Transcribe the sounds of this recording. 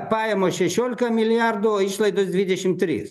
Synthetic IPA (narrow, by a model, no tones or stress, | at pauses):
pɑːjɛmoːʃʲɛʃʲoːlʲɪkɐmʲɪlʲɪjɑrd̪ʊoːiʃlˠɐɪd̪osd̪ʋʲɪd̪ʲɛʃʲɪmt̪ʲɾʲḭːs